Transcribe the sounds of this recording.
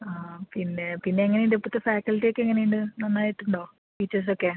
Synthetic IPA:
aːpinːe̞pinːe̞ɐŋːɐnejuɳɖepːot̪ːefaːkɐlʈːijokːeeŋːɐne̞juɳɖɨnɐnːaːjiʈːuɳɖo̞ː | ʈiːt͡ɕːɐrs̬okːe

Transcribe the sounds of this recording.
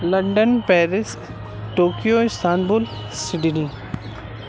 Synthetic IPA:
lɐ̃ɳɖənpɛːɾɪs | ʈoːkijoɪst̪ʰaːnbʊl | sɪɖini

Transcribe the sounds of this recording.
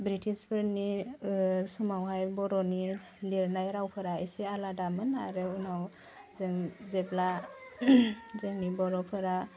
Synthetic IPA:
bɾitʰispʰɯɾni | sumawɦajbɔɾɔni | liɾnajɾawpʰɯɾaisialadamɯnaɾɯunaw | zeŋzebla | zeŋnibɔɾɔpʰɯɾa

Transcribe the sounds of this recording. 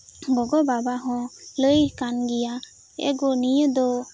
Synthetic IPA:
ɡɔɡɔbabaɦɔ̃ləjkanɡija | ɛ̰ɡɔnijəd̪ɔ

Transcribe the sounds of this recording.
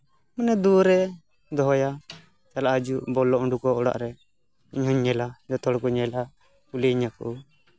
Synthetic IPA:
manɛd̪uɾɛ | d̪ɔɦɔja | t͡ʃalaʔad͡ʒuʔbɔlɔʔɔɳɖukɔɔɽa̰ʔɾɛ | iɲɦɔɲːɛlad͡ʒɔt̪ɔɽkuɲɛla | kulɛiɲakɔ̰ʔɔ

